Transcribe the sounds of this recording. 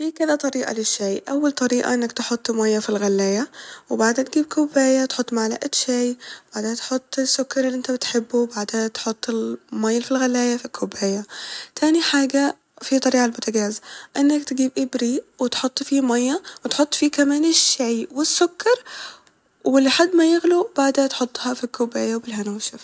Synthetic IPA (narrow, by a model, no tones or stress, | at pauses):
fiːkɪðæt̪ˤɑɾiːʔɑ̰lɪʃːajʔawːalt̪ˤɑɾiːʔa̰ʔɪnːakt̪ɪħot̪ˤːmajːafilɣalːæːjawɪbaʕd̪ant̪ɡiːb̚kʰʊbaːjat̪ħot̪ːˤmaʕla̰ːʔɪt̪ʃajb̥aʕd̪eːnt̪ħot̪ˤːɪsːʊkːɑɾˤɪlːiʔɪnt̪abɪt̪ħɪbːubaʕd̪eːnt̪ħot̪ˤːɪlmajlfilɣalːæːjafikʰʊbaːjat̪ʰaːniħaːɡa | fit̪ˤɑɾiːʕalmʊt̪ʰaɡaːzʔɪnːakt̪ɡiːbʔɪbɾiwɪt̪ħot̪ˤːfimajːɑwɪt̪ħot̪ˤːfiːkamaːnɪʃːajwɪsːʊkːɑɾˤ | wɪlːħad̪ːmajɪɣlub̥aʕd̪at̪ħʊt̪ˤːhɑfikːʊbaːjawbɪlɦanaːʃaf